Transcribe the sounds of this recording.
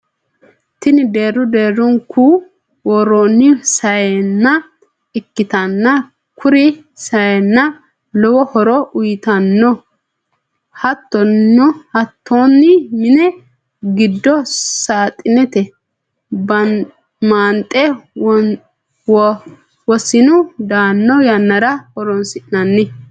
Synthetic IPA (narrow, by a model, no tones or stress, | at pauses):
t̪ɪnɪd̪e̞ːɾːʊd̪eːɾːɔŋku | wɔɾoːnːɪsɐjɛnːɐ | ɪkːɪt̪ɐnːɐ | kʰʊɾɪ | sɐjɛnːɐ | lɔwɔhɔɾɔʔʊjɪt̪ɐnːɔ | hɐt̪ːɔnːɔhɐt̪ʰːonːɪmɪnɛ | ɡɪd̪ːɔsaːt̪ʼɪnɛt̪ɛ | bɐ | maːnt̪ʼːɛ | w | wɔsɪnʊd̪aːnːɔjɐnːɐɾɐhɔɾɔnsɪʔnɐnːɪ